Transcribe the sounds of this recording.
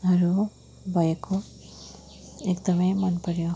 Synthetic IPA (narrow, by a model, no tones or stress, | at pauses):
ʌɾu | bʱʌjeko | ekd̪ʌmʌjmʌnpʌɾjo